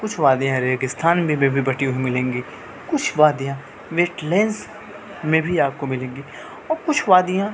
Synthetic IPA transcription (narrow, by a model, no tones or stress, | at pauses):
kʊt͡ʃʰʋaːd̪ijãɾeːɡɪst̪ʰaːnbʱibẽbʱibɐʈioimɪlẽːŋɡi | kʊt͡ʃʰʋaːd̪ijãː | ʋeːʈleːns | mẽbʱiaːp̚komɪlẽːŋɡi | ɔːɾkʊt͡ʃʰʋaːd̪ijã